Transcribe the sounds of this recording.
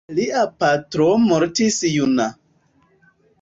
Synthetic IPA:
liʔapatɾomoɾtisjuna

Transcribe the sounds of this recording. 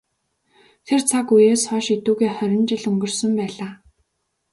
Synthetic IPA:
t̪ʰert͡sʰakujeːsχɔːʃit̪uːɣeːχœɾʲɪ̆nt͡ɕɪ̆ɮɵŋɡɵ̆rsɵ̆mpæːɮaː

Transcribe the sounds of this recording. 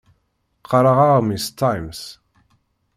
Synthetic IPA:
qʰːɑɾˤɑʁaʁmist̪ːajms

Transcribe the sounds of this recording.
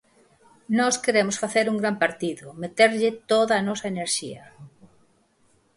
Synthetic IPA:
nɔskeɾemʊsfaθeɾuŋɡɾampaɾt̪iðʊmet̪eɾʎɪt̪oðɐːnɔsɐeneɾʃḭɐ

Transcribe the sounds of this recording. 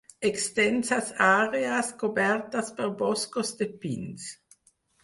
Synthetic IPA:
ekst̪ɛnsasaːɾeaskobɛɾt̪aspeɾbɔskosd̪epins

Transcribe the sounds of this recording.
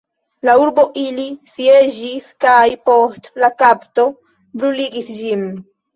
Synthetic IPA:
lauɾbo̞ʔilisie̞d͡ʒiskajpo̞stlakapto̞ | bɾuliɡisd͡ʒin

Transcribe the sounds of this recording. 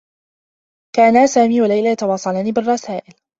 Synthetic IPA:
kaːnasaːmiːwalajlaːjat̪ɑwɑːsˤɑlaːniːbɪrˤːɑsaːʔɪl

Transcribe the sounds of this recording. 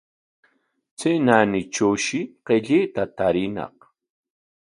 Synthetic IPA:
t͡senanɪt͡ʃuwʃɪqeʎet̪at̪aɾɪnɑ̰q

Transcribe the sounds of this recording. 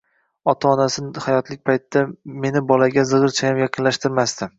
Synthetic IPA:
ɒt̪ʰaːnasɪnhajɒt̪lɪk̚ʲpʰajt̪ɪd̪ame̞nɪbɒlaɡʲazɨʁɨɾt͡ʃʰajamjɑqʰɨnlaʃt̪ɪɾmast̪ɪ

